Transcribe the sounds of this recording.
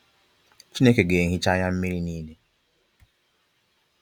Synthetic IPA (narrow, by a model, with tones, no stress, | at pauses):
t͡ʃi˦ne˦ke˨ɡe˨ɦi˦t͡ʃa˦ɲa˦m̩˦mi˦ɾi˦niː˦de˦